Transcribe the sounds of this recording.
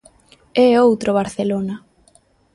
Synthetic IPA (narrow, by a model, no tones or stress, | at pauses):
ɛowt̪ɾoβ̞aɾθelona